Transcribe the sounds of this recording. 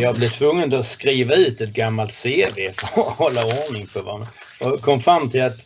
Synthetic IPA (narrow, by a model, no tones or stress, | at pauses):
jɑɡblɪt̪ʰvɵŋːənd̪ɔskɾiːvaʉ̟ːt̪ɛt̪̚ɡamːalt̪seːveːfɾhɔlːaɔɳɪŋpʰɔvɑ̰ːn | ɔkʰɔmfɾamːt̪ʰɪlat̪